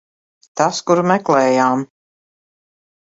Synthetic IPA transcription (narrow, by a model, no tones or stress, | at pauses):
t̪askuɾmɛklˠɛːjaːm